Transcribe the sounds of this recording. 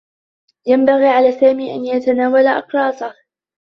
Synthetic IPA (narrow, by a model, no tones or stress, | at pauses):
jambaɣiːʕalaːsaːmiːʔa̰njat̪anaːwalaʔɑ̰qɾˤɑːsa